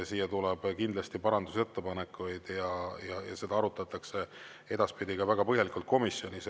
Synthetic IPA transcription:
siːjɑt̪ulɛb̥kind̪lɑst̪ipɑɾɑnd̪use̞t̪ːepɑne̞kːˑujd̪̥jɑjɑjɑ̰se̞d̪ɑɑɾut̪ːˑɑt̪ːˑɑkse̞ | e̞d̪̥ɑspid̪̥ʲiɡ̥ɑvæɡ̥ɑpɤ̞ɦjɑlikult̪̚ko̞misːjo̞nis

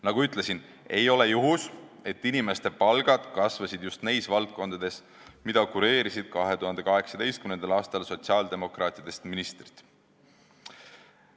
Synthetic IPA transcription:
nɑɡ̥uyt̪ˑle̞sin | e̞jo̞le̞juɦuse̞t̪ːinime̞st̪e̞pɑlɡ̥ɑd̪̥kɑsvɑsid̪just̪nejsvɑlt̪̚ko̞nd̪̥ɑd̪e̞s | mid̪̥ɑkuɾe̞ːɾisid̪̥̚kɑɦe̞t̪uhɑnd̪e̞kɑɦe̞ksɑd̪̥e̞jst̪kymnend̪̥ɑlɑːst̪ɑlso̞t̪siɑːld̪̥e̞mo̞krɑːt̪ʲːˑid̪e̞st̪minist̪ri̥t̪ːˑ

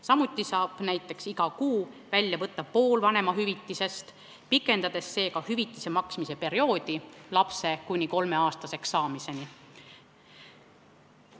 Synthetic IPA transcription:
sɑmut̪ːˑisɑːb̥næjt̪ːˑe̞ksiɡ̥ɑkuːvælʲːjɑvɤt̪ːˑɑpo̞ːlvɑne̞mɑɦyvit̪ˑːise̞st̪ | pikːˑe̞nd̪̥ɑd̪̥e̞sːe̞ːkɑhyvit̪ːˑise̞mɑksmise̞pe̞ɾio̞ːd̪̥ilɑpse̞kunʲiko̞lmeɑːst̪ɑse̞ksːɑːmise̞ni

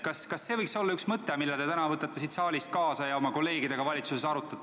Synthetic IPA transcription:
kɑskɑsːe̞ːvɤjkso̞lːɑyksmɤt̪ːˑemilːɛt̪e̞t̪ænɑvɤt̪ːˑɑt̪ːesit̪sɑːlʲist̪̚kɑːsɑjɑo̞mɑko̞lːe̞ːɡid̪e̞ɡ̥ɑvɑlʲit̪susesɑɾut̪ːˑɑ

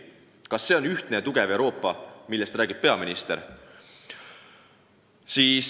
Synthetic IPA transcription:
kɑsːe̞ːonyht̪ne̞t̪uɡ̥eve̞wɾo̞ːpːɑmilːest̪ɾæːɡ̥ib̥̚pe̞ɑminist̪e̞̰ɾ | siːs

